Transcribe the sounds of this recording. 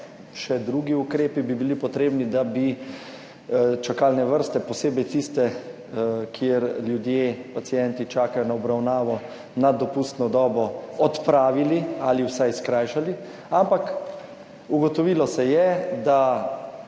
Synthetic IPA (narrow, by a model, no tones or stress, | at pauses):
ʃɛd̪ɾuːɡiukɾeːpibibilipɔt̪ɾeːbnid̪abi | t͡ʃakaːlnɛʋəɾst̪ɛpɔseːbɛjt̪ist̪ɛ | kʰjeɾljud̪jepat̪sijɛnt̪it͡ʃaːkajɔnaɔbɾawnaːʋɔ | nad̪ɔpust̪nɔd̪ɔːbɔɔt̪pɾaːʋilialiwsajskɾaːjʃali | ampak | uɡɔt̪ɔʋiːlɔsɛjɛd̪a